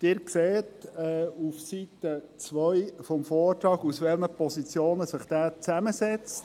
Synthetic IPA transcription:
d̥ɪːɾkseːtɛːufsitət͡sʋœjfɔmfɔːɾtɾɑːɡusʋɛlməpɔsit͡sjoːnəsɪχd̥æːt͡sæməsɛt͡st

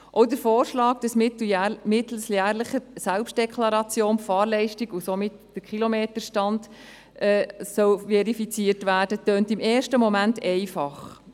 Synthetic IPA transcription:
ʔɔwdəɾfoːɾʃlɑːkd̥ɑsmtmɪt̪l̩sjæːɾləχəsælpʃt̚d̥ɛkʰlɑɾɑt͡sjoːnfɑːɾlɛɪʃtiɡusomɪtd̥əkʰilɔmeːtəɾʃtɑnd | ʔɛːsœwʋɛɾifit͡siəɾtʋæːɾd̥ətøːntɪmeːʃtəmɔmæntɛɪfɑχ

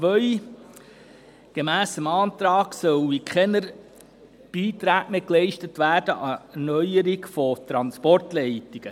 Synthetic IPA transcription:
t͡sʋœʏ | ɡ̥emæːsəmɑːnt̪ɾɑːɡsœwikχɛnəɾ | b̥iːtɾæːkmeklɛɪʃtətʋæːdəʔɑnœjəɾiɡfɔt̪ɾɑnspɔrtlɛɪtiɡ̥ə

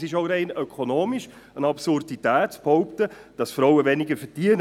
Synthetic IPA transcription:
sɪʃoɾɛɪnœkʰonoːmiʃ | ənɑpsʊrditæːtsphɔʊptəd̥ɑsfɾɔwəvɛnɪɡəfədiən

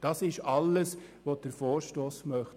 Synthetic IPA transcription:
d̥ɑsɪʃɑlːəs | ʋod̥əɾfoːɾʃtoːsmœχ

